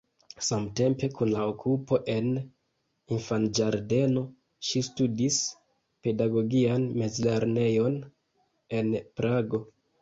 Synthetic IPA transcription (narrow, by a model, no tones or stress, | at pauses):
samte̞mpe̞kunlaokʰupo̞ʔe̞n | infand͡ʒaɾde̞no | ʃistudis | pe̞daɡo̞ɡianme̞zle̞ɾne̞jo̞n | e̞npɾaɡo̞